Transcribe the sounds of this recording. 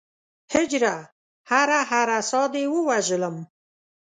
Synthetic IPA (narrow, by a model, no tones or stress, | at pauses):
hɪd͡ʒɾa | haɾaɦaɾasɑd̪ewəwaʒələm